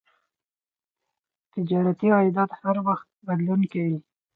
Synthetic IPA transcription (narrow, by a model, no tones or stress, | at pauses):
t̪ɪd͡ʒɑɾat̪iɑjd̪at̪haɾwaxt̪̚bad̪lunkawi